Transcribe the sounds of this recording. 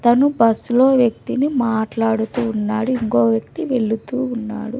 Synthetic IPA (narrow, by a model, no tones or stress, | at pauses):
t̪ɐnubɐsloːʋjɐk̚t̪inimaːʈlaːɽut̪uːnːaːɽuiŋko̞ːʋjɐk̚t̪iʋe̞ɭːut̪uːnːa̰ːɽu